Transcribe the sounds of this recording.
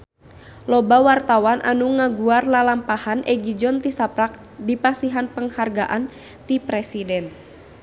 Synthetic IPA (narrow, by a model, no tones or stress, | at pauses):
lɔbawart̪awanʔa̰nuŋaɡuarlalampahanʔɛɡid͡ʒɔnt̪isapɾak̚ | dipasiɦanpəŋharɡaʔan | t̪ipɾɛsidɛn